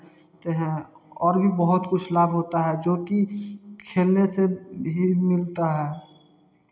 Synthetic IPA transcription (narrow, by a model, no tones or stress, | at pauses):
t̪eɦɛ̃ | ɔːɾbʱibəɦʊt̪kʊt͡ʃʰlaːbɦoːt̪aɦɛd͡ʒoːkikʰeːlnesebʱimɪlt̪aɦɛː